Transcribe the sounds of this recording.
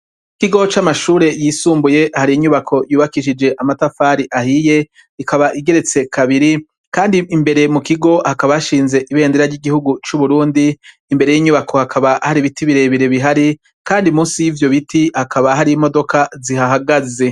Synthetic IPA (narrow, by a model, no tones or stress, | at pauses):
ikiɡo̞t͡ʃamaʃuːɾe̞jiːsuːmbuje̞ʔhaɾiiɲuβakʰo̞juːβakiʃid͡ʒe̞ʔamatafaːɾiʔahije̞ | ikaβaʔiɡe̞ɾe̞t͡se̞kʰaβiɾi | kaːndiimbe̞ɾe̞mukiɡo̞hakaβajaʃiːnze̞ʔiβe̞ːndeɾaɾɟiɡihuɡut͡ʃuβuɾuːndiː | mbe̞ɾe̞jiːɲuβakʰo̞hakʰaβahaɾiβitiβiɾe̞βiɾe̞βiɦaɾi | kaːndimuːnsijivjo̞βitʰihakʰaβaɦaɾimo̞do̞kʰaziɦaɦaɡaze̞